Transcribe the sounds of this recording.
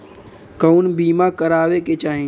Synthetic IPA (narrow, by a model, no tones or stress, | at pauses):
kəunbiːmãkəɾaːʋeket͡ʃaːɦ